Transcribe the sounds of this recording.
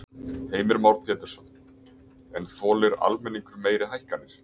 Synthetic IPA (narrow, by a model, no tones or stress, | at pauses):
heːjmɪɾmawɾpʰjɛːt̪ɛɾ̥sɔnː | ɛnθɔːlɪɾa̰lmɛnːiŋkʏɾmeːjɾɪɦajhkanːɪɾ̥